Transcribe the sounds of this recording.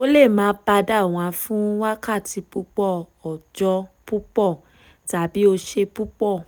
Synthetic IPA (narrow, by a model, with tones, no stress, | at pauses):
o˦le˦˨mãː˨˦ba˧da˦˨w̃ã˧fũ˦wa˦ka˦˨ti˧pu˦k͡pɔ˦˨ | ɔ˨d͡ʒɔ˧pu˦k͡pɔ˦˨ | ta˨bi˨˦o˧ʃe˧pu˦k͡pɔ˦˨